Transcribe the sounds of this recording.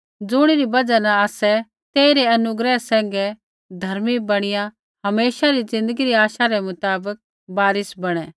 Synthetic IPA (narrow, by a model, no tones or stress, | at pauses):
d͡zʊɽ̃iɾibɐd͡ʒanɐaːsɛ | t̪eːiɾeɐnʊɡɾɛsɛ̃ːŋɡɛ | d̪ʱɐɾmibɐɽ̃ɪjã | ɦɐmeːʃaɾid͡zɪ̃nd̪əɡiɾiaːʃaɾɛmʊt̪aːbək̚ | baːɾɪsbɐɽ̃ɛ